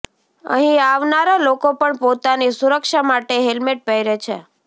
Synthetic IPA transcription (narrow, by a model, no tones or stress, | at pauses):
ə̰ɦĩaʋnaɾalokopəɳpot̪anisuɾəkʃamaʈeɦelmeʈ̚pəjɾet͡ʃʰe